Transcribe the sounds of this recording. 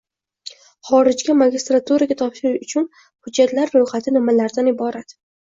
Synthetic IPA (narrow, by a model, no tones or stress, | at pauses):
χɒɾɪd͡ʒɡʲamaɡʲist̪ɾat̪ʰuɾaɡʲat̪ʰɒpʃɪɾɪʃʊt͡ʃʰʊn | hʊd͡ʒːat̪laɾːojχat̪ʰɪnɪmalaɾd̪anɪbɒɾat̪